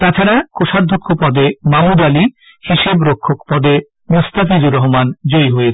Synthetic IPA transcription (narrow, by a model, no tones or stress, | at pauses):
t̪at͡ɕʰaɾakoʃad̪ʱːokʰːopɔd̪emamud̪ali | hiʃebɾokʰːokpɔd̪e | most̪afid̪uɾɔɦomand͡ʑojɦoe